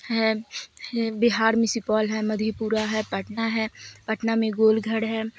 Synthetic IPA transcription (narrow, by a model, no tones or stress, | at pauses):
ɦɛ | bɪɦaːɾmɪsipɔːlɦɛmɐd̪ʱipuːɾaɦɛpəʈnaɦɛːpəʈnamẽɡoːlɡʱəɽɦɛː